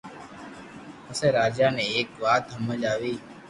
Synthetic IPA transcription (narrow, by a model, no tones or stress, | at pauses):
əseːɾaːd͡ʒaːnẽːeːkʋaːt̪ɦəməd͡ʒaːʋiː